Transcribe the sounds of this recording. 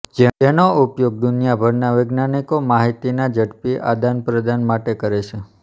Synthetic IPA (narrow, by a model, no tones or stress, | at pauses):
d͡ʒeenoupjoɡ̚d̪unjabʱəɾnaʋeɡnanikomaɦit̪inad͡ʒəɽpiʔa̰d̪anpɾəd̪anmaʈekəɾet͡ʃʰe